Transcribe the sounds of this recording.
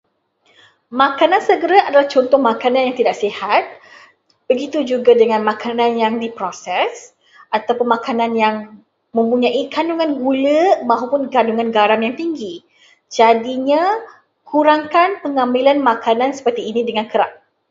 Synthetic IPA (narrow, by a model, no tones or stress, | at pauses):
makanãnsəɡəɾaʔadalaht͡ʃɔnt̪ɔhmakanãnjaŋt̪idaʔsihat̪̚ | b̥əɡit̪ud͡ʒuɡadəŋãnmãkʰanãnjaŋdipɾosɛs | at̪awpʊnmakanãnjaŋ | mə̃mpuɲãʔikanuŋãnɡuləmãɦupʊnɡanduŋãnɡaɾaŋjaŋt̪iŋɡi | d͡ʒadiɲã | kʰuɾaŋkanpəŋamilanmakʰanãnsə̥pərt̪iːnĩdəŋãnkəɾaʔ̚